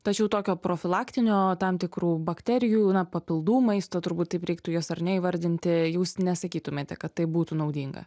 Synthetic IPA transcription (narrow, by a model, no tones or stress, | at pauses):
t̪ɐt͡ʃʲɛʊt̪oːkʲoːpɾoːfʲɪlˠɑːkt̪ʲɪnʲoːt̪ɐmt̪ʲɪkɾuːbɐkt̪ʲɛɾʲɪjuːnɐpɐpʲɪlˠd̪uːmɐɪst̪oːt̪ʊɾbuːt̪t̪ɐɪpɾʲɛɪk̚t̪ʊjoːsɐrnʲɛiːʋɐɾʲd̪ʲɪnʲt̪ʲɪjuːsnʲɛsɐkʲiːt̪ʊmʲeːt̪ʲɛkɐt̪t̪ɐɪp̚buːt̪unɐʊd̪ʲiːŋɡɐ̰